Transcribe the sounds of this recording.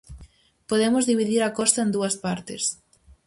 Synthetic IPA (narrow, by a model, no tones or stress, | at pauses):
poðemozðiβiðiɾɐkɔst̪ɐend̪uɐspaɾt̪ɪs